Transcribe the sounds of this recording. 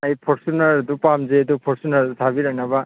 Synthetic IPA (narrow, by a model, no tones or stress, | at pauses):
ajpʰɔɾsunaɾdupamzedupʰɔɾsunaɾt̪ʰabiɾanaba